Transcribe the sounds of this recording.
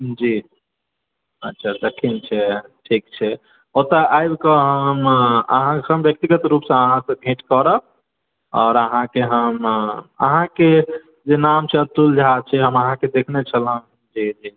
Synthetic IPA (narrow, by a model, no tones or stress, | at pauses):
d͡ʒi | ətːʃʰad̪ekʰint͡ʃʰɛʈʰik̚t͡ʃʰɛ | ot̪əʔajbkəɦəmə̰ɦãsəmbjək̚t̪iɡət̪ɾupsə̃əɦãsə̃bʱẽʈkəɾəb̚ | ɔːɾəɦãkeɦəmə̰ɦãke | d͡ʒenamt͡ʃʰɛət̪ːuld͡ʒʱad̪̚t͡ʃʰɛɦəməɦãked̪ekʰnet͡ʃʰəlɦə̃ | d͡ʒid͡ʒi